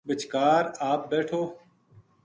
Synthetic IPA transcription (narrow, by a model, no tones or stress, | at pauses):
bɪt͡ʃkaːɾaːp̚bɛːʈʰoː